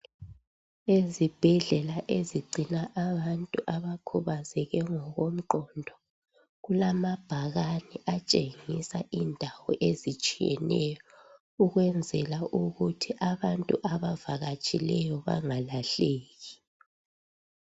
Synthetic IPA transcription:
ezib̥ʱɛɮɛlaʔeziɡ͡ǀʱinaʔaβantʼuʔaβakʰuβazɛɣɛŋɔɣom̩ǃɔndʱɔ | ɣulamab̥ʱaɣaniʔat͡ʃʼeŋisaʔindʱawɔʔezit͡ʃʼijɛ̰nɛjɔ | uɣwɛnd͡zʱɛlaʔuɣutʰiʔaβantʼuʔaβavaɣat͡ʃʼilɛjɔβa̰ŋalaɬeːɣi

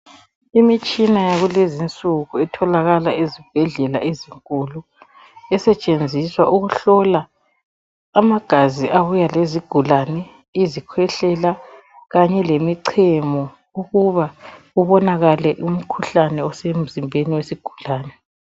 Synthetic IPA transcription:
imit͡ʃʼinajaɣulezint͡sʼuɣuɛtʰɔlaɣalaezib̥ʱɛɮɛla̰ʔeziŋkʼulu | ɛsɛt͡ʃʼend͡zʱiswaʔuɣuɬɔla | maɡ̥ʱaziʔaβujaleziɡ̥ʱulanɛ | izikʰwɛɬɛla | ɣaɲɛlemiǀʰɛmɔ | uɣuβa | uβɔnaɣalɛʔum̩kʰuɬanɛɔsem̩zimbʱeniwesiɡ̥ʱulaːnɛ

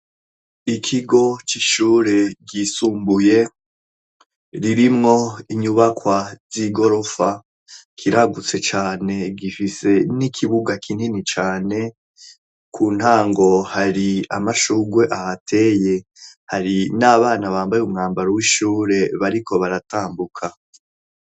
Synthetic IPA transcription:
ikʰiɡo̞t͡ʃiʃuːɾe̞ɡisuːmbuje̞ | ɾiɾimŋo̞iɲuβakwaz̥iɡo̞ɾo̞fa | kʰiɾaɡut͡se̞t͡ʃaːne̞ɡifise̞nikʰiβuɡakʰin̥init͡ʃaːne̞ | kʰuːn̥haːŋɡo̞haɾia̰maʃuɡwe̞ʔahatʰe̞ːje̞ | haɾinaβaːnaβaːmbajumŋaːmbaɾowiːʃuːɾe̞βaɾikʰo̞βaɾataːmbukʰa

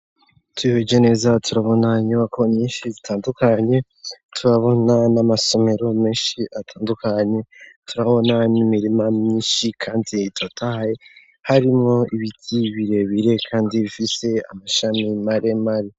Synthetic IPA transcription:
twiβed͡ʒene̞ːzatʰuɾaβo̞naɲumakʰo̞mɲiːnʃizitʰaːndukaɲe̞ | tʰuɾaβo̞nanamaso̞me̞ɾo̞meːnʃiʔatʰaːndukaɲe̞tuɾaβo̞nanimiɾimamɲiːʃikʰaːnditotʰaje | haɾimŋo̞iβitʰiβiɾe̞βiɾe̞kʰaːndiβifise̞a̰maʃamimaɾemaɾi

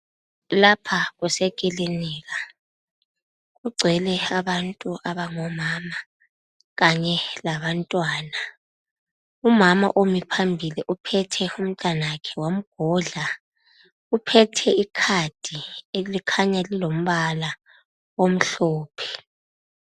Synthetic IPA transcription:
lapʰaɣusɛkʼiliniːɣa | ɣuɡ͡ǀʱɛlɛaβantʼuʔaβaŋɔmaːma | ɣaɲɛlaβantʼwaːna | umama̰ʔomipʰambʱiliʔupʰɛtʰɛum̩tʼanaakʰɛwam̩ɡ̥ʱɔɮa | upʰɛtʰɛikʰad̥ʱielikʰaɲalilom̩βala | wom̩ɬɔːpʰɛ̥

